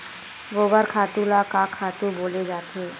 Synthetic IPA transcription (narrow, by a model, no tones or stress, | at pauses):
ɡoːbəɾkʰaːt̪ũlakakʰaːt̪ũboːled͡ʒaːt̪ẽː